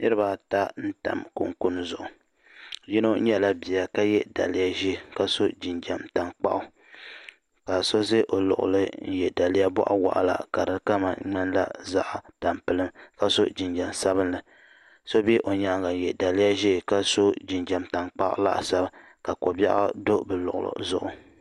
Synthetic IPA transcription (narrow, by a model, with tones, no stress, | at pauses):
nɨ˦ɾɨ˦baː˨ta˦n̩˦ta̰˨mkṵ˨ŋku˦n˦zʊ˨ʔʊ˨ | ji˦no˦ɲɛ˦la˦bi˨a˨ka˦jɛ˦da̰˨lɪ˦ja˦ʒi˦˨ka˦so˦d͡ʒi˨nd͡ʒa˨mta˨ŋk͡pa̰˦ʔʊ˦ | ka˨so˦ze˦ʔo˨lʊ̰˨ʔʊ̰˨lɨ˦n̩˦jɛ˨da˨lɪ˦ja˦bɔ̰˦ʔa̰˦wa̰˦ʔa̰˨la̰˨ka˨ɾɨ˦ka˦ma̰˨ɲɛ˦nla̰˦za˦ʔa˨ta˨mpɨ˨lɨ˦mka˦so˦d͡ʒi˨nd͡ʒa˨msa˦βɨ˦nlɨ˨ | so˦bɛ˦ʔo˨ɲa˨˦ŋɡa˨jɛ˨da˨lɪ˦ja˦ʒi˦˨ka˦so˦d͡ʒi˨nd͡ʒa˨mta˨ŋk͡pa̰˦ʔʊ̰˦la̰˦ʔsa˦ba˦ | ka˨ko˨ba̰˦ʔa̰˦do˦bɨ˨lʊ˨ʔʊ̰˨lo̰˨zʊ˦ʔʊ˨